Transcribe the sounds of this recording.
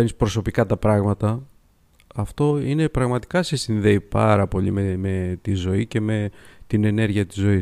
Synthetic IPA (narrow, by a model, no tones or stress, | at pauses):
enispɾo̞so̞pikɐt̪ɐpɾɐɣmɐt̪ɐ | ɐft̪o̞ine̞pɾɐɣmɐt̪i̥kɐsesinðe̞ipɐɾɐpo̞ʎimeme̞t̪izo̞ice̞me̞t̪ine̞ne̞ɾʝiɐt̪i̥zo̞i